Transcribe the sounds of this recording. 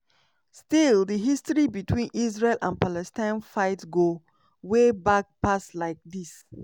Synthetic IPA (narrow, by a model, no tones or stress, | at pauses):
stildəɦistɹibitʰwĩnʔis̬ɹelʔãn̚palɛstãɪ̃nfaɪtɡo | webak̚paslaɪk̚dis